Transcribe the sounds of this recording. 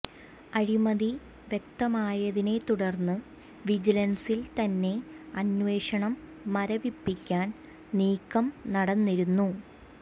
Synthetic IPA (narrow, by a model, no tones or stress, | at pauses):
ɐɻimɐði | ʋje̞k̚t̪ɐmaːjɐðine̞t̪uɽɐrnːɨ | ʋid͡ʑilɐnsilt̪ɐnːe̞ɐnʋe̞ːʂɐɳɐmː | ɐɾɐʋipːikʲːaːn | niːkːɐmnɐɽɐnːiɾunːu